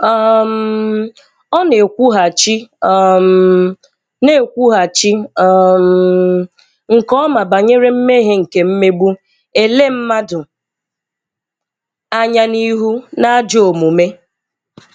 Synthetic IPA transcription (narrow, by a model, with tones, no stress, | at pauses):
ɔ˦m̩˦ | ɔ˦ne˨kʷu˦ɦa˨t͡ʃi˦ɔ˦˨m | ne˦˨kʷu˦ɦa˨t͡ʃi˦m̩ | ŋ̩˨kɔ˦ma˨ba˨ɲe˦ɾe˦m̩˦me˦ɦe˦ŋ̩˨ke˨m̩˦me˦ɡ͡bu˦ | e˨le˦m̩˦ma˦dʊ˨ | a˦ɲa˦ni˦ɦu˦na˦d͡ʒo˨mu˨me˦